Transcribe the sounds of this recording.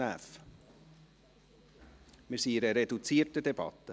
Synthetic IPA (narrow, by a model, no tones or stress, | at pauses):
æf | mɪɾsiːɪɾəɾedut͡siːrtədɛb̥ɑ̰t̪ːə